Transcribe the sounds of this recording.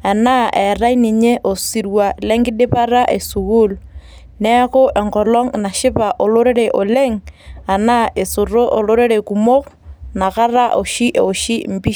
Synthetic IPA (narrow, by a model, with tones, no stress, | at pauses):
a˨na˦ʔɛ˨ra˦i˦ni˨ɲe˦ʔo˨si˨ɾwa˨lɛ˦ŋɡɪ˦ɗɪ˦pa˦ra˦ʔḛ˨su˨ku˦l | nɛ˦ko˦ʔɛ˨ŋkɔ˨lɔ˦ŋna˨ʃɪ˦pa˨ʔo˨lo˦ɾe˦ɾɛ˨ʔo˨le˦ŋa˨na˦ʔe˨sʊ˨ro˦ʔo˨lo˦ɾe˦ɾe˨ku˨mo˦kna˨ka˦ra˦ʔo˨ʃi˦ʔo˨ʃi˦m̩˨pi˦